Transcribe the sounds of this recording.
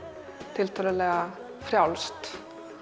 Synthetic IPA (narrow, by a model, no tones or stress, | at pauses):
t̪ʰɪlt̪ʰaləlɛɣa | fɾjawlst̪